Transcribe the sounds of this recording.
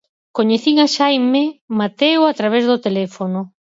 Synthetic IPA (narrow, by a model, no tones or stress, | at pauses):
koɲeθiŋaʃajmemat̪ewat̪ɾaβ̞ezðot̪elɛfonʊ